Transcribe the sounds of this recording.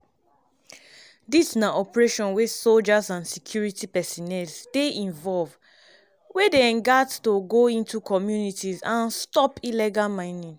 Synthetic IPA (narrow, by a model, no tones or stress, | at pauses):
disnaʔɔpɹeʃɔ̃nwesold͡ʒazãnsikʰjuɹitipɛsɔnɛlsdeĩnvɔlv | wedeɛ̃nɡattoɡoĩntukɔmjunitizãnstɔpilɛɡalmãɪ̃nĩŋ